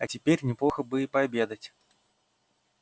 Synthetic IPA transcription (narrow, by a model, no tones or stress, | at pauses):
ɐt͡sʲɪpʲerʲnʲɛplˠɔxɐbɨipabʲed̪ɐt͡sʲ